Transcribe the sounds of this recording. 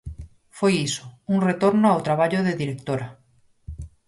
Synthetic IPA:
fojiso̥uŋret̪oɾnoawt̪ɾaβ̞aʎoðeðiɾek̚t̪oɾa

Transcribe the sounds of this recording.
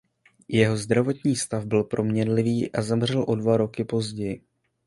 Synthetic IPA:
jɛɦo̞zd̪ɾavo̞t̪ɲiːst̪avbɪlpɾʔo̞mɲɛnlɪviːʔazamr̝ɛlʔo̞dvaɾo̞kɪpo̞zɟɛjɪ

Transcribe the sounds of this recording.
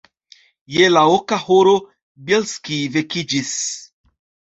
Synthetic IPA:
jelaokahoɾo | belskivekid͡ʒis

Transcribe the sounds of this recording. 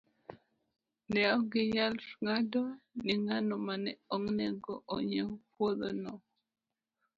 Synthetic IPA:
nɛɔɡɪɲalŋadoniŋanɔmanɛoŋnɛɡɔʔoɲepwoðonɔ

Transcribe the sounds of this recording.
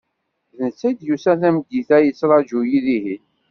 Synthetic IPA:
ðənt͡sːæjd̪jusæθæmɡːiθæjət͡sːɾˤɑd͡ʒujiðiɦi

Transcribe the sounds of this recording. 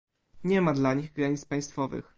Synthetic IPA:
ɲɛmad̪laɲiɣɡɾaɲit̪spaj̃st̪fɔvɘ̰x

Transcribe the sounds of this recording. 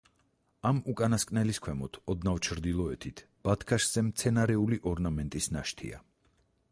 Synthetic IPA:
amukʼanaskʼnɛliskʰwɛmɔt̪ʰɔd̪navt͡ʃʰɾd̪ilˠɔɛt̪ʰit̪ʰ | b̥at̪ʰkʰaʃz̥ɛmt̪sʰɛnaɾɛuliʔɔɾnamɛnt̪ʼisnaʃt̪ʰḭa̰

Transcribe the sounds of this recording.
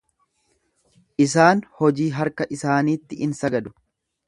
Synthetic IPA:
ʔɪs̬aːnhɔd͡ʒiːɦɐɾkɐʔɪsaːniːt̪ːɪʔɪnsɐɡɐd̪ʊ̥

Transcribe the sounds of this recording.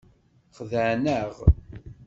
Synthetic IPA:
χðəʕnəʁ

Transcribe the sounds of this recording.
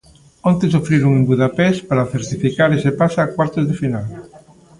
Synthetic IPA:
õnt̪esofɾiɾuŋembuðapɛspaɾaθeɾt̪ifikaɾesepasaːkwaɾt̪ozðɪfinal

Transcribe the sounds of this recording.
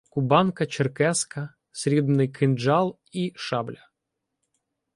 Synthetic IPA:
kʊbɑnkɐt͡ʃerkɛskɐ | sʲɾʲid̪nɪjkʰɪnd͡ʒɑlˠ | iʃɑblʲɐ

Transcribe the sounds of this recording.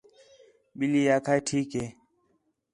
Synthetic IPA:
ɓilijakatʰikɛ

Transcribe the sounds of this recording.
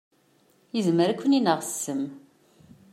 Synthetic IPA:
jəzməɾakʷʰːəninəʁsːəm

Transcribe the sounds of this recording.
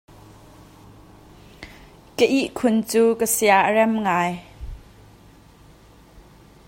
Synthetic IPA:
kəʔiʔkʰʊnt͡suːkəsiaʔərɛmŋaːj

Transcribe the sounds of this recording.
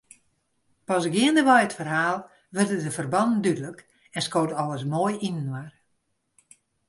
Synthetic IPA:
pɔsɡɪəndəʋɛjətfərɦaːlˠ | ʋərdədəfərbɑnn̩dydələk | ɛnskoːtɔləsmoːjinənwar

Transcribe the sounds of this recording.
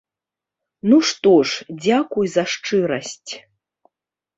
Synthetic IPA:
nuʂt̪ɔʂd͡zʲakujzɐʂt͡ʂɨɾɐsʲt͡sʲ

